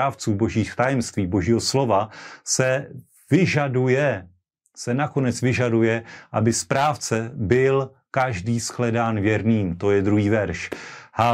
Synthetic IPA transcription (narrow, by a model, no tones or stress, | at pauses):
aːft͡suːbo̞ʒiːxt̪ajɛmst̪viːbo̞ʒiːɦo̞slo̞vasɛ | vɪʒadujɛ | sɛnako̞nɛt͡svɪʒadujɛʔa̰bɪspɾaːft͡sɛbɪl | kaʒdiːsklɛdaːnvjɛɾniːmt̪o̞jɛd̪ɾuɦiːvɛɾʃha